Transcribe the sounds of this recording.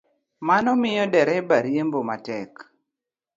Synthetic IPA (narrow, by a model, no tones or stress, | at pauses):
manɔmɪjɔdɛɾɛbaɾjembomatɛk